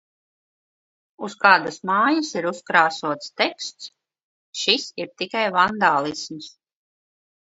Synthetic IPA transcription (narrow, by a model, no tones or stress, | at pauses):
uskaːd̪asmaːjasiɾuskɾaːsuɔt̪st̪ɛkst̪s | ʃisiɾt̪ikajvand̪aːlˠisms